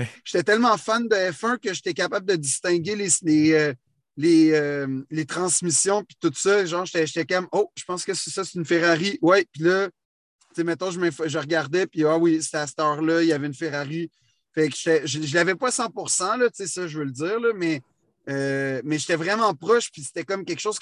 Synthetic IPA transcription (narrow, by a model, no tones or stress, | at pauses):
ʒ̥e̥t̪ɛt̪ɛlmɑ̃fand̪əɛfɛ̃kʲəʒet̪ɛkapabld̪ədd͡zist̪ɛ̃ɡʲelesleø | leœmlet̪χɑ̃smisjɔ̃pi̥t̪ut̪sʌʒɑ̃ːʒet̪ɛʒet̪ɛkʌmoʒə̥pɑ̃skəssʌst̪ynfeʁaʁiwɛpilʌ | t͡semɛ̃t̪ɔ̃ʒəmɛ̃fʒəʁɡaʁd̪ɛpiawise̥t̪ɛasə̥t̪ɑːʁlʌjavɛynfeʁaʁi | fɛkʒ̥e̥t̪ɛʒəʒəlavɛpɔasɑ̃puʁsɑ̃lʌt͡sesʌʒəvøləd͡ziːʁlʌmɛ | ømɛʒet̪ɛvʁɛmɑ̃pχɔʃpise̥t̪ɛkɔmkʲɛlkʃoz̥